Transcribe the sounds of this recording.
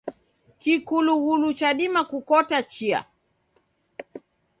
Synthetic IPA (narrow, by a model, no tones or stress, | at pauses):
kikuluɣulut͡ʃaɗimakukɔtat͡ʃia̰